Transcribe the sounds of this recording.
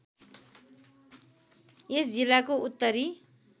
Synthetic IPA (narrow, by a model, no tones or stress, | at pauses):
esd͡zilːakout̪ːʌɾi